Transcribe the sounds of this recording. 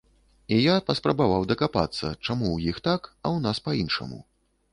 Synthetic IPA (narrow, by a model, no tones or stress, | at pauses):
ijapɐspɾɐbavawd̪ɐkapa̰t̪sːɐ̰t͡ʂamuwjixt̪akɐwnaspɐinʂɐ̰mṵ